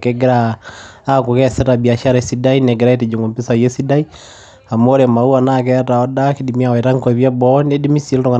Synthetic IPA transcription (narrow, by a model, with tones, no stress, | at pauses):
keɡɪ˦ɾaː | ku˨kɛ˦sɛta˨bi˨a˨ʃa˦ɾe˨si˦da˦ine˨ɡɪ˨ɾa˦e˦ti˨d͡ʒu˨ŋɡo˨mpi˦sa˨je˦si˦da˦i˦ | a˨mo˦ɾema˨u˦a˨nak̬ɛ˦ta˨ɔ˦da˦ki˦di˨mia˨we˨ta˦ŋkɔ˨βja˦bɔne˦di˦mi˦si˦ltɔ˦ŋa˨